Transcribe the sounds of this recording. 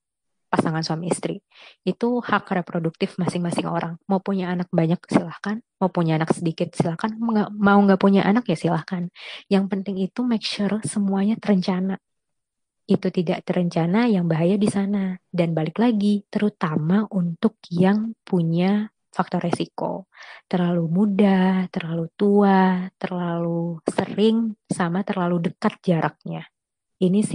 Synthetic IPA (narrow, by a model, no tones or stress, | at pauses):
pasaŋansuamiist̪ɾi | it̪uhakrepɾoduk̚t̪ɪfmasɪŋmasɪŋo̰ɾaŋmaupuɲaːnak̚baɲak̚silahkanmaupuɲaːnaksədikɪt̪̚silahkanŋɡamauŋɡaʔpuɲaʔanakjasilahkanjaŋpənt̪ɪŋit̪umɛkʃursəmuaɲat̪ərəɲt͡ʃana | it̪ut̪idaʔt̪əɾəɲt͡ʃanajaŋbaɦajadisanadanbalɪklaɡit̪əɾut̪amaʔunt̪ʊk̚jaŋpʰuɲa | fak̚t̪ɔrːesiko̰t̪ərlalumudat̪ərlalut̪uat̪ərlalusəɾɪŋsamat̪ərlaludəkat̪̚d͡ʒaɾʔak̚ɲa | inisɪ